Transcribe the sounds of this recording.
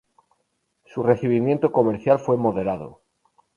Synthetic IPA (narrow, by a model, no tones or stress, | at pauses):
sure̞θiβ̞imjent̪oko̞meɾθjalfwe̞mo̞ðe̞ɾað̞o̰